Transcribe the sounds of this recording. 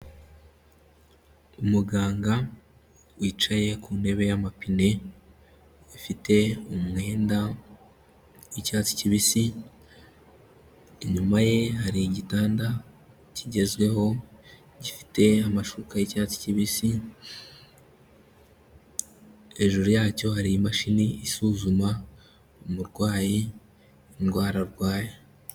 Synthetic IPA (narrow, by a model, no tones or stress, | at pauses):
umuɡaːŋɡa | wiːt͡ʃaje̞kuːne̞βe̞jamapine̞ | fite̞umŋe̞ːnda | wicaːt͡si̥ciβisi | ɲumaje̞ɦaɾiɟitaːnda | ciɟe̞zɡwe̞ɦo̞ | ɟifi̥te̞amaʃukajicaːt͡si̥ciβisi | e̞ʒuɾujaːco̞haɾijimaʃiniːsuzuma | umuɾɡwaːjiː | nɡwaːɾaɾɡwaːje